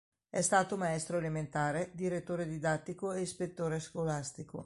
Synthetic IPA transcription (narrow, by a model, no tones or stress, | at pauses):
ɛst̪aːt̪omaɛst̪ɾoelement̪aːɾed̪iɾet̪ːoːɾed̪id̪at̪ːikoeispet̪ːoːɾeskolast̪iko̰